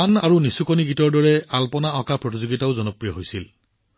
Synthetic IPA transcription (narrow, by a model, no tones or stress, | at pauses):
anaɹunisukoniɡitɔɹdɔɹɛalpɔnaɔkapɹɔtizuɡitaʊzɔnɔpɹijɔɦojsil